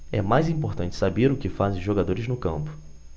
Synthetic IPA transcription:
ɛmajzĩpoɾt̪ɐ̃nt͡ʃɪ̥sabeɾʊkɪfazẽʒoɡad̪oɾɪznʊkɐ̃mpʊ̥

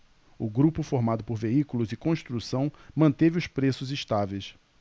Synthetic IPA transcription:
ʊɡɾupʊfoɾmad̪ʊpoɾveikulʊzɪkõst̪ɾusɐ̃w̃mɐ̃nt̪evɪʊspɾesʊzɪʃt̪avejs

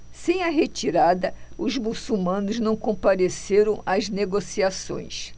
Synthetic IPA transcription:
sẽj̃ɐɦet͡ʃiɾad̪ɐʊzmusumɐ̃nʊznɐ̃w̃kõpaɾeseɾɐ̃w̃ɐzneɡosiasõ̰j̃s

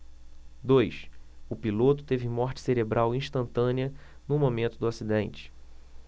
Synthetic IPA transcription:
d̪ojsʊpilot̪ʊ̥t̪evɪmɔχt͡ʃɪ̥seɾebɾʔawĩʃt̪ɐ̃nt̪ɐ̃niɐ | nʊmomẽnt̪ʊd̪ʊasid̪ẽnt͡ʃɪ̥

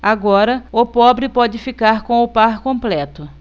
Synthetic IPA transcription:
aɡɔɾɐʊpɔbɾɪpɔd͡ʒɪfikaɾkõʊpaɾkõplɛt̪ʊ

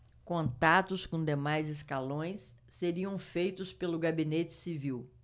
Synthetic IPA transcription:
kõnt̪at̪ʊskõd̪emajzɪskalõj̃sː | eɾiɐ̃w̃fejt̪ʊspelʊɡabinet͡ʃɪ̥siviw

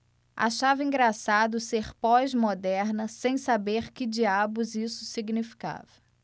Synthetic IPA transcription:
a̰ʃavɐĩŋɡɾasad̪ʊseχpɔzmod̪ɛɾnɐsẽj̃sabeɾkɪd͡ʒiabʊzisʊ̥siɡnifi̥ka̰vɐ

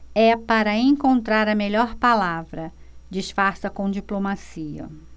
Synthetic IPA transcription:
ɛpaɾɐẽŋkõnt̪ɾaɾɐmeʎɔɾpalavɾɐ | d͡ʒiʃfaɾsɐkõd͡ʒiplomasiɐ̰

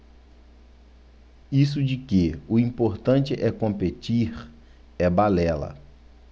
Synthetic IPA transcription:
is̬ʊd͡ʒɪkeʊĩpoɾt̪ɐ̃nt͡ʃɪʔɛkõmpet͡ʃiɾ | ɛbalɛlɐ̰

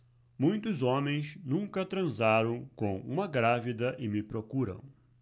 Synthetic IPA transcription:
mũj̃t̪ʊzõmẽj̃snũŋkɐt̪ɾɐ̃zaɾɐ̃w̃kõw̃ṵ̃mɐɡɾavid̪ɐʔɪmɪpɾokuɾɐ̰̃w̃

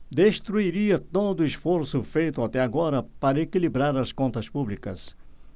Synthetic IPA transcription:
d̪eʃt̪ɾuiɾiɐt̪od̪ʊɪsfoɾsʊfejt̪ʊat̪ɛaɡɔɾɐpaɾɐekilibɾaɾɐskõnt̪ɐspublikɐ̰s

